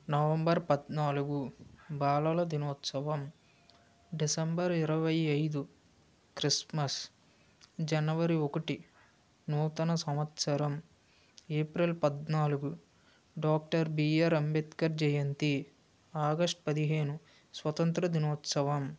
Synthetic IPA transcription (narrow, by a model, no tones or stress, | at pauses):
nɐʋɐmbɐɾpɐd̪naːluɡubaːlɐlɐd̪inɔːt̪sɐʋɐm | ɖisɐmbɐɾiɾɐʋɐjɐjd̪u | kɾismɐs | d͡ʒɐnɐʋɐɾiokɐʈi | nuːt̪ɐnɐsɐmɐt̪sɐɾɐm | eːpɾilpɐd̪naːluɡu | ɖaːk̚ʈɐɾbiːɐɾɐmbet̪kɐɾd͡ʒɐjɐnt̪i | aːɡɐʂʈpɐd̪iɦeːnu | sʋɐt̪ɐnt̪ɾɐd̪inoːt̪sɐʋɐm